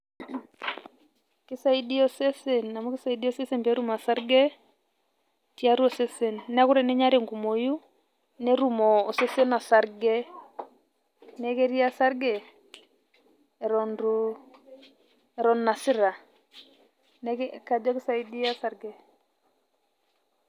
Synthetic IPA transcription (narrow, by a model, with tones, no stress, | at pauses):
kɪ˦sa˦i˦di˦ɔ˦se˦se˨nːa˨mu˦kɪ˦sa˦i˨di˦ɔ˦se˦se˦mbe˦ɾu˦ma˨sa˦ɾɡɛ˦ | ti˦a˦ɾu˦ɔ˨se˦se˨nː˦a˦kʊ˦ɾɛ˨nɛ˦ɲa˦ɾe˨ŋɡu˨mo˨ju˦ | ne˦ɾu˨mɔː˨se˦se˦na˨sa˨ɾɡɛ˦ | nɛ˦ke˦ɾi˦a˦sa˦ɾɡɛ˨ | ɛ˨ɾɔ˨nɾu | ɛɾɔ˨nːa˨sɪ˦ɾa˨ | nɛ˦kka˨d͡ʒɔ˦kɪ˦sa˨i˦di˦a˦sa˦rɡɛ˨